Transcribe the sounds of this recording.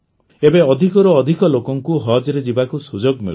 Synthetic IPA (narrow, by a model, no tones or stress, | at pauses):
ebeɔd̪ʱikɔɾɔːd̪ʱikɔlokɔŋkuɦɔd͡ʒɔɾed͡ʒibakusud͡ʒoɡmḭl